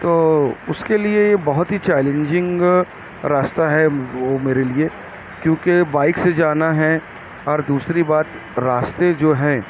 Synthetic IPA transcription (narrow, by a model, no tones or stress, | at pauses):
t̪oːʊskeliejebɐɦʊt̪ɦit͡ʃɛːlẽɲd͡ʒɪ̃ŋɡ | ɾaːst̪aɦɛʋoːmeːɾelie | kjõːkebaːɪksed͡ʒaːnaɦɛ | ɔːɾd̪uːsɾibaːt̪ | ɾaːst̪ed͡ʒoːɦɛ̃ː